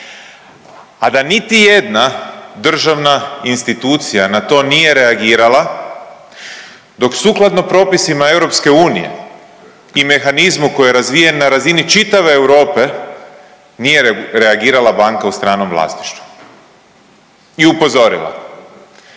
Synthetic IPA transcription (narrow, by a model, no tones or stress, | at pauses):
ad̪anit̪ije̞d̪nad̪r̩ʒaʋnainst̪it̪uːt̪sijanat̪o̞ːnije̞ɾe̞aɡiːɾalˠa | d̪o̞ksuːklˠad̪nopɾo̞ːpisimae̞wɾo̞pske̞uːnije̞̰ | ime̞xanizmuko̞jeɾazʋije̞nnaɾazinit͡ʃit̪aʋe̞ːwɾo̞ːpe̞ | nije̞ɾe̞aɡiːɾalˠabaːŋkaust̪ɾaːnomʋlˠa̰st̪i̥ʃt̪ʋu | iupo̞zo̞ɾḭla̰